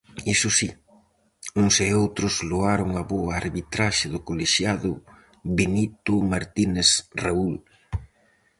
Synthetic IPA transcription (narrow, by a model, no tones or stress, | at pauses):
isʊsi | uŋseowt̪ɾʊsloaɾʊŋɐβoaːɾβit̪ɾaʃɪðʊkoleʃjaðʊ | βenit̪ʊmaɾt̪inesraul